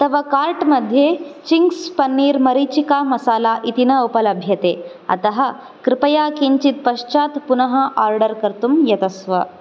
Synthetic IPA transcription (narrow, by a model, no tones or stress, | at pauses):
t̪ɐʋɐkaːɾʈmɐd̪ʱjet͡ɕiŋkspɐnːiːɾmɐɾit͡ɕikamɐsaːlaʔit̪inɐupɐlɐbʱjɐt̪e | ɐ̰t̪ɐɦə̆ | kɾɪpɐjakiɲt͡ʃit̪̚pɐʃt͡ʃat̪punɐɦɐʔaɾɖəɾkɐɾt̪umjɐt̪ɐsʋə